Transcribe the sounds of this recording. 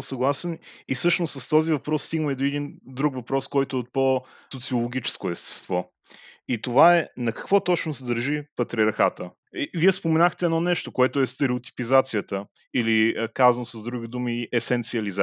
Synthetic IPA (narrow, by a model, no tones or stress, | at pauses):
sɐɡlˠasɛnisɤʃnossəst̪ɔzivɐpɾɔst̪iɡnmɛd̪oɛd̪ind̪ɾukvɐpɾɔskɔjt̪ʊɛot̪̚po | sot̪siolˠoɡ̟ʲit͡ʃɛ̥skoɛst̪ɛ̥st̪vɔ | it̪ovaɛnɐkɐ̥kvɔt̪ɔt͡ʃnosɛd̪əɾʒipɐt̪ɾiɐɾxat̪ə | viɛspomɛnaxt̪ɛɛdnɔnɛʃt̪okoɛt̪oɛst̪ɛɾɛot̪i̥pizat̪sijət̪ə | ilikazɐnosəzd̪ɾuɡ̟id̪umiʔɛsɛnt̪siɐliza